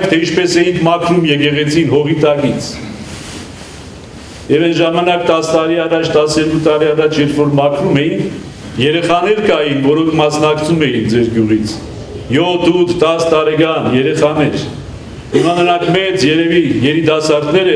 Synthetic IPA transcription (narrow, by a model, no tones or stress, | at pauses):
kt̪ʰɛint͡ʃʰpɛsɛjiŋkʰmɑkʰɾumjɛkɛʁɛt͡sʰinɦɔʁit̪ɑkit͡sʰ | jɛvɛnʒɑmɑnɑkt̪ɑst̪ɑɾiɑrɑt͡ʃʰt̪ɑsɛɾkut̪ɑɾiɑrɑt͡ʃʰjɛɾfɔɾmɑkʰɾumɛjin | jɛɾɛχɑnɛɾkɑjinvɔɾɔŋkʰmɑsnɑkt͡sʰumɛjind͡zɛɾɡjuʁit͡sʰ | jɔt̪ʰut̪ʰːɑst̪ɑɾɛkɑnjɛɾɛχɑnɛɾ | himɑnəɾɑŋkʰmɛt͡sjɛɾɛvijɛɾid̪ɑsɑɾt̪nɛɾə